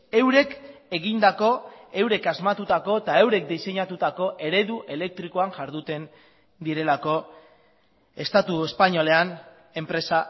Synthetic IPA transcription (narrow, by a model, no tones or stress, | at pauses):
e̞wɾe̞ke̞ɣind̪ako̞e̞wɾe̞kazmat̪ut̪ako̞t̪ae̞wɾe̞k̚d̪ise̞ɲat̪ut̪ako̞ʔe̞ɾe̞ðuʔe̞le̞k̚t̪ɾiko̞aŋʝaɾðut̪e̞n | d̪iɾe̞lako̞ | e̞st̪at̪ue̞spaɲo̞le̞an | e̞mpɾe̞sa